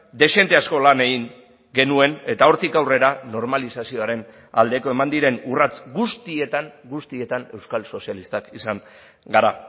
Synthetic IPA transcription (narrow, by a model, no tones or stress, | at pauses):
d̪e̞ʃe̞nt̪e̞asko̞lane̞ɣiŋ | ɡe̞nue̞ne̞t̪ao̞ɾt̪ikawre̞ɾano̞ɾmalisasio̞aɾe̞n | a̰ld̪e̞ko̞e̞mand̪iɾe̞nurat͡sɡust̪ie̞t̪anɡust̪ie̞t̪ane̞wskalso̞sialist̪akisaŋ | ɡaɾa